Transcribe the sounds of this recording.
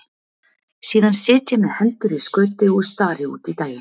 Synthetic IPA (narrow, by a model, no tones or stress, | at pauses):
siːðansɪːt̪jɪnʏhɛnt̪ʏɾiskœːɥt̪ɪɔɣst̪aːɾɪṵːt̪it̪aːjɪ